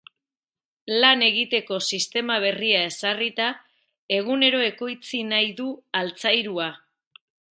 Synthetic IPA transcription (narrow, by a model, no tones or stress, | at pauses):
lane̞ɣit̪e̞ko̞sist̪e̞maβ̞e̞riae̞sarit̪a | e̞ɣ̞une̞ɾo̞e̞ko̞jt͡sinajðualt͡sajɾua